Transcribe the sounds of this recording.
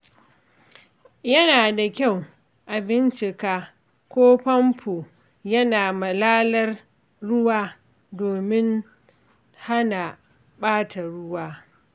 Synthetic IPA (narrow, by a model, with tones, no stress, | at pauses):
jɐ˦naː˨da˨kʲa˦˨w | ʔa˨bɪ˦nt͡ʃɪ˨kaː˦ | kʷoː˦pɐ˦mpuː˨ | jɐ˦naː˨mɐ˨laː˦lɐ˦r | ɽʊ˦waː˦ | doː˨mɪ˦n | ha˦na˨ | ɓaː˦tʰa˨ɽʊ˦waː˦